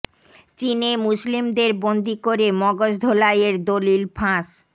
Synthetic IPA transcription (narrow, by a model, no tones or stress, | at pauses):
t͡ɕinemuslimd̪eɾbond̪ikoɾemɔɡoʃd̪ʱolajeɾd̪olilfʰãʃ